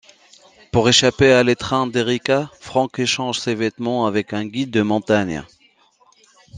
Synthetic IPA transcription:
puʁeʃapealet̪χɛ̃d̪eʁikafχɑ̃keʃɑ̃ʒsevɛt̪mɑ̃avɛkɛ̃ɡʲid̪ːəmɔ̃t̪aɲ

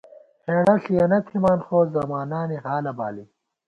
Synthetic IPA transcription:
heːɽɐɬiɐnɐt̪ʰimaːnχoːzɐmaːnaːniɦaːlɐba̰ːli

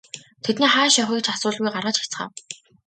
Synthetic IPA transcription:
t̪ʰet̪niːχaːʃjaχiːk̆t͡ɕasʊːɮɣujɢarʁə̆ːt͡ɕxi̥t͡sχa̰ːw

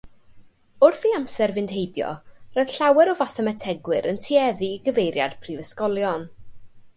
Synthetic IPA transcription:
ʊrθiamsɛrvɪnd̥hejbjɔ̰rɔjð̥ɬawɛɾɔvaθɛmɛtʰɛɡwɪɾəntʰiɛðiːɡəvejɾja̰d̥pʰrivəskɔlˠjɔn

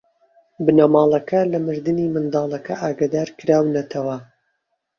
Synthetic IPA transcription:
bɨnɐmɑːlˠɐkʰɐlɐmɨɾd̪ɨniːmɨnd̪ɑːlˠɐkʰɐʔaːɡad̪aːɾkɨɾaːwnɐt̪ʰɐwɐ

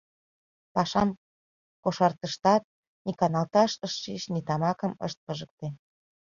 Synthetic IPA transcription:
pɑʃɑn | koʃɑrt̪əʃt̪ɑt̪̚ | nikɑnɑlt̪ɑʃəʃːiʃnit̪ɑmɑkə̆mə̰ʃt̪̚pəʒək̚t̪e

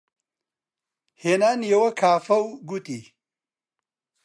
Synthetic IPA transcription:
henanjɐwɐkʰaːfɐwɡut̪i

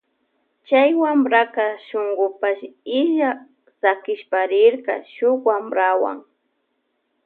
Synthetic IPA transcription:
t͡ʃajwambɾakaʃoŋɡʊpaʃɪʒa | sakɪʃpaɾɪɾka̰ʃʊkwambɾawa̰ŋ

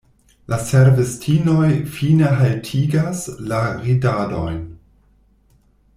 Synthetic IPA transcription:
laseɾvestʰino̞jfineɦaltʰiɡaslaɾidado̰jn

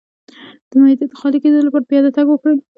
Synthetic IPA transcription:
d̪̥əmaid̪et̪ə̥xɑliked̪əlopəɾpjɑd̪at̪aɡwəkɽə

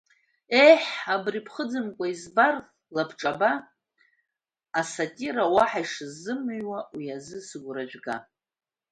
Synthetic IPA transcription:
ejħabripʰχəd͡zɨmkʷʼaizbar | lapʰʈ͡ʂʼaba | asatʲʼiɾawaħaiʂɨzːɨmɨɥwawiazɨsɨɡʷraʒʷᶣɡa

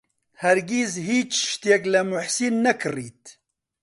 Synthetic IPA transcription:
hɛɾɡizhiːt͡ʃʃt̪jɛklɐmʊħsiːnːɛkʰɨriːt̪

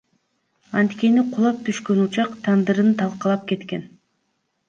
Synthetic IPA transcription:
ɑnt̪ke̞niqʰulˠɑp̚t̪ʰyʃkø̞nut͡ʃɑqt̪ʰɑnd̪ɯɾɯnt̪ʰɑlˠqɑlˠɑp̚ke̞t̪ke̞n

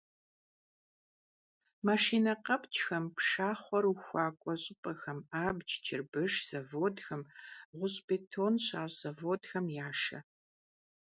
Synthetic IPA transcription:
maʃiːnɐqɐpʼt͡ʃʼxɐmpʂaːχʷɔɾuxʷɑːkʷʼɔɕʼɪpʼɐxɐmaːbt͡ʃʰt͡ʃʰɪrbɨʂz̥ɐvoːdxɐmʁʷʊɕʼbeːtʰoːnɕaːɕzɐvoːdxɐmjaːʂɐ̰

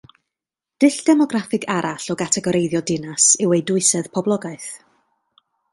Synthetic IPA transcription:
d̥ɪɬd̥ɛmɔɡrafɪɡaɾʔaɬɔɡatʰɛɡɔɾejðjɔdɪnasɪwejdʊɨsɛðpʰɔblˠɔɡaɨθ

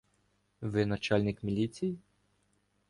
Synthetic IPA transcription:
ʋɪnɐt͡ʃɑlʲnʲɪkmʲilʲit͡sʲiji

